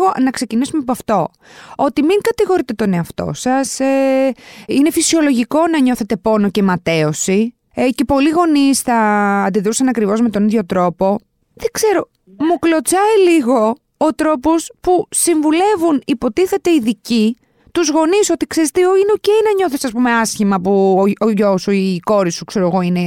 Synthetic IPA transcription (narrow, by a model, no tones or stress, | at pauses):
ɣo̞nɐkse̞cinisumepɐft̪o̞ | o̞t̪imiŋkɐt̪iɣo̞ɾit̪e̞t̪o̞ne̞ɐft̪o̞̰sɐse | ine̞fisio̞lo̞ʝiko̞nɐɲo̞θe̞t̪e̞po̞no̞ce̞mɐt̪e̞o̞si | ce̞po̞liɣo̞nisθɐːnd̪iðɾusɐnɐkɾivo̞zme̞t̪o̞niðʝo̞t̪ɾo̞po̞ | ðeɡze̞ɾo̞ | muklo̞t͡sɐiliɣo̞ː | t̪ɾo̞pospusiɱvule̞vunipo̞t̪iθe̞t̪e̞iðici | t̪uzɣo̞niso̞t̪ikseɾet̪eoino̞ceinɐɲo̞θesɐspume̞ɐsçimɐpuoʝosuiko̞ɾisukse̞ɾoeɣo̞ine̞